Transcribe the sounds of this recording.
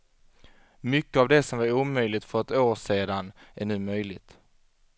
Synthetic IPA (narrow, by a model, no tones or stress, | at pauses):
mʏkːəavd̪ɛsɔmvaɾuːmœjlɪt̪fœɾɛt̪oːʂeːd̪anʔæɳʉ̟ːmœjlɪt̪